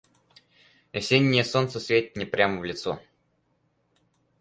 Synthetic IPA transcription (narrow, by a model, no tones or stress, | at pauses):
ɪsʲenʲːɪjəsont̪səsvʲetʲɪt̪ʲnʲɪpɾʲaməvlʲɪt̪so̰